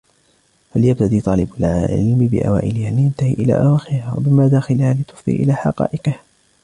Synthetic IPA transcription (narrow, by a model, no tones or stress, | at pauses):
haljab̚t̪ad̪iːt̪ˤɑːlɪbalɪ̰lmɪbɪ̰ʔa̰wa̰ːʔɪlɪhaːlɪjant̪ahḭːʔɪla̰ːʔawaːxɪɾɪhawa̰bɪmaːd̪aːxɪlhaːlɪt̪ʊ̥fḭʔɪ̰laːħɑ̰qɑ̰ːʔɪqɪh